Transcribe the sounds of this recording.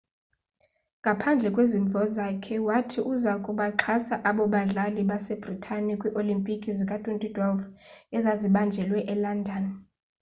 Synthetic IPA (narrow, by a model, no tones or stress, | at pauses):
ŋɡʱapʰand͡ɮʱɛkʼweziɱvʱɔzakʰɛwatʰiʔuzakʼuɓaǁʰasaʔaɓɔɓaɮaliɓasɛb̥ritʰanikʼwiʔolimpʼikʼizikʼatʼuntʼud̥ʱɔvɛzaziɓand͡ʒʱɛlwɛʔɛlandʱan